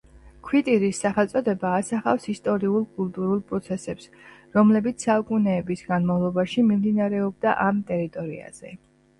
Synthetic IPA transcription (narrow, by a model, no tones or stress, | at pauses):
kʰwit̪ʼiɾisːaχɛlt̪sʼɔd̪ɛbaːsaχa̰fsist̪ʼɔɾiulˠkʼulˠt̪ʼuɾulˠpʼɾɔt̪sʰɛsɛps | ɾɔmlɛbit̪sʰsaukʼunɛːbisɡanmavlˠɔbaʃimimd̪inaɾɛɔb̚d̪aʔamt̪ʼɛɾit̪ʼɔɾḭa̰z̥ɛ